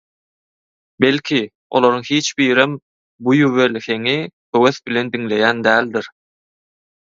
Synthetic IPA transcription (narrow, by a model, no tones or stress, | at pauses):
be̞lʲkʰi | o̞̰lˠoɾuŋhiːt͡ʃbiːɾem | bujuβe̞lʲθe̞ŋikʰøweθbilʲe̞nd̪iŋle̞jæːnd̪æːlʲd̪iɾ